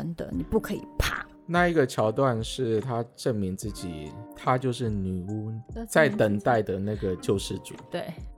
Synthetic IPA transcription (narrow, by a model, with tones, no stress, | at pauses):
ə˧˥ŋd̪ə̰˧ni˨˩pu˥˩kʰɤ˧˥ḭ˨˩pʰa̰˥˩ | na˥˩i˧˥ɡə˧t͡ɕʰjɑ˧˥ʊt̪wa˥˧nʂɻ̩˥˩t̪ʰa˥ʈ͡ʂə˥˩ŋmi˧˥ŋt͡sɹ̩˥˩t͡ɕḭ˨˩t̪ʰa˥t͡ɕjo˥˧ʊʂɻ̩˥˩ny˨˩u˥t͡sa˥˩ɪt̪ə˨˩ŋt̪a˥˩ɪd̪ə˩na˥˩ɡə˩t͡ɕjo˥˧ʊʂɻ̩˥˩t͡sṵ˨˩˦t̪we˥˩ɪ